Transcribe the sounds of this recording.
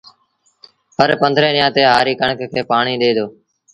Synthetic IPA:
ɦəɾpənd̪ʱɾẽːɗɪjãːt̪eːɦaːɾiːkəɳkkʰeːpaːɳiːɗ̪eːd̪oː

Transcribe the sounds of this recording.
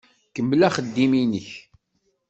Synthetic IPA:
kəmblæχəd̪ːiminəç

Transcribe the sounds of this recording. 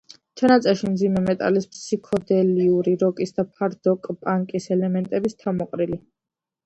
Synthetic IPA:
t͡ʃʰanat̪sʼɛɾʃimd̪zimɛmɛt̪ʼa̰lispsikʰɔd̪ɛliuɾiɾɔkʼisd̪apʰaɾd̪ɔkʼpʼaŋkʼisɛlɛmɛnt̪ʼɛbist̪ʰamɔqʼɾili

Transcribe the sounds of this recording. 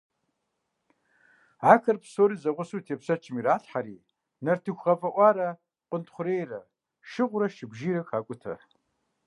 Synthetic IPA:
aːkʰɐrpsoːɾiːzɐʁʷʊsuːtʰeːpsɐt͡ʃʰʼɪmiɾaːɬħaɾiː | nɐrtʰɨxʷʁɐfʼɐʔʷɑːɾɐ | qʷʼʊntχʷʊɾeːjrɐ | ʃɨʁʷʊɾɐʃɪbʷʒiːɾɐkʰaːkʷʼʊtʰɐ̰

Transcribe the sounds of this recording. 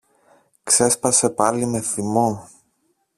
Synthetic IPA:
kse̞spɐse̞pɐlime̞θimo

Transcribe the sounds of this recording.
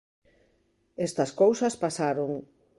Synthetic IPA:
est̪ɐskowsɐspasaɾoŋ

